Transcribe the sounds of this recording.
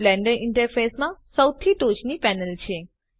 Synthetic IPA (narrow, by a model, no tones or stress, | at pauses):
lɛ̃ɳɖənʔɪɳʈəɾfesmãsəwt̪ʰiʈot͡ʃnipɛnəlt͡ɕʰe